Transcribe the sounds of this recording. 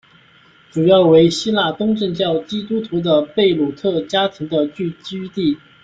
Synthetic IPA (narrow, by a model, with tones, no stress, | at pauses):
ʈ͡ʂu˨˩jɑ˥˩ʊwe˧˥ɪɕi˥la˥˩t̪ʊ˥ŋʈ͡ʂə˥˧ŋt͡ɕjɑ˥˩ʊt͡ɕi˥t̪u˥t̪ʰu˧˥d̪ə˧pe˥˩ɪlu˨˩t̪ʰɤ˥˩t͡ɕja˥t̪ʰi˧˥ŋd̪ə˧t͡ɕy˥˧t͡ɕy˥t̪i˥˩